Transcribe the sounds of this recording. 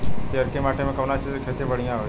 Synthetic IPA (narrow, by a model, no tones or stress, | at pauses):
keɐɾkemaːʈʰemẽkɐʋnat͡ʃʰizekʰeːt̪ebəɽ̤ijãɦoː